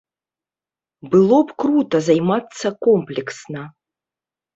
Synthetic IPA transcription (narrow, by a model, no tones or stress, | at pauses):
bɨlˠɔpkɾut̪ɐzajmat̪sːɐkɔmplʲɛksnɐ